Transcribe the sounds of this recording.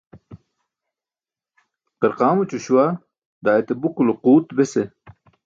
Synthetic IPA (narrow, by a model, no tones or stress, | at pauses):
qeɾqɑːmut͡ɕuɕuwa | d̪aːjet̪ebukuloquːt̪bese